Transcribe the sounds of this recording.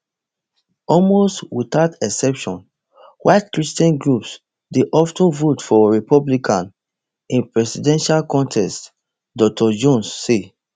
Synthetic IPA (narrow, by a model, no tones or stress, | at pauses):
ɔlmostwit̪aʊtɛsɛpʃɔ̃n | waɪtkɹistiɛ̃nɡɹups | deʔɔftõnvotfɔɹipɔblikʰãn | ĩnpɹɛsidɛ̃nʃalkɔ̃ntʰɛst | dɔk̚tʰɔd͡ʒõnsːe